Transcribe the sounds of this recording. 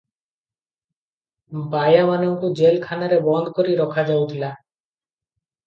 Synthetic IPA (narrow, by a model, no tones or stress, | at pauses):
bajamanoŋkud͡ʑelkʰanaɾebɔnd̪ʱkoɾiɾɔkʰad͡ʑawt̪ʰila